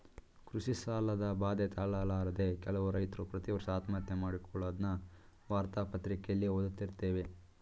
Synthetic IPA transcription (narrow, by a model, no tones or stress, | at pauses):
kɾuʃisaːlɐd̪ɐbaːd̪et̪aːɭaːlaːɾɐd̪e̞kɛlɐʋuɾɐjt̪ɾupɾɐt̪iɔʋɾɐsaːt̪mat̪jɐmaːɽikɔɭoːd̪nɐʋaːɾt̪aːpɐt̪ɾikejɐlːioːd̪ut̪ːiɾt̪e̞ːʋe̞